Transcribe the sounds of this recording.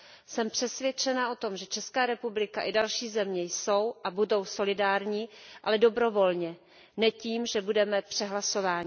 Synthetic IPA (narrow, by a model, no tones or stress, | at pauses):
sɛmpr̝̥ɛsvjɛt͡ʃɛnaʔo̞t̪o̞mʒɛt͡ʃɛskaːɾɛpublɪkaʔɪdalʃiːzɛmɲɛjso̞wʔabudo̞wso̞lɪdaːɾɲiːʔa̰lɛdo̞bɾo̞vo̞lɲɛ | nɛciːmʒɛbudɛmɛpr̝̥ɛɦlaso̞vaːɲɪ